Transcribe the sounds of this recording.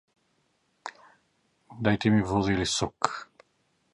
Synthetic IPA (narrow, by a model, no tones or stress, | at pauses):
d̪ajt̪ɛmivɔzilisɔk